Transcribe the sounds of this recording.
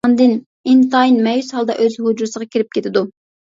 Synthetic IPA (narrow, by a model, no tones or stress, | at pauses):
nd̪ɨn | int̪ɑjnmɛjyshɑlˠd̪ɑ̰ʔøzhud͡ʒuɾsəʁɑkʲʰiɾɪp̚kʲet̪ʰɪd̪u